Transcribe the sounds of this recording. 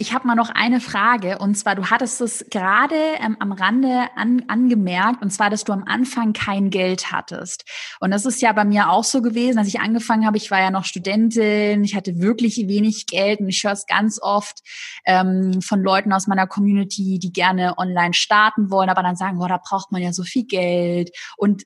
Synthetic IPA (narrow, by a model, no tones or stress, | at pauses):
ʔɪçhaːbəmaːlnɔχʔa̰ɪnəfʁ̥aːɡəʔʊntt͡sv̥aːɐduːhatəstdasɡ̥əʁaːdəʔɛma̰mʁandəʔa̰nʔanɡəmɛɐk̚tʊntt͡sv̥aːɐɾasd̥uːamʔa̰nfaŋkʰaɪnɡɛltha̰tʰə̰stʔʊnt̚d̥as̬ɪstjaːbaɪmiːɐaʊxz̥oːɡəveːzn̩dalsɪçʔa̰nɡəfaŋənhaːbəɪçv̥aːɐjaːnɔχʃtudɛntɪnɪçhatəvɪɐklɪçveːnɪçɡ̥ɛltʊntɪçhøːɐsɡ̥a̰nt͡sʔɔft | ʔɛːmfɔnlɔʏtn̩aʊsmaɪnɐkʰɔmjuːnɪtʰiːdiːɡɛɐnəʔɔnlaɪnʃtaɐtn̩vɔlənʔaːbɐɾanzaːɡŋ̩ɔːɐdaːbʁaʊxt̚manjaːzoːfiːlɡɛltʔʊnt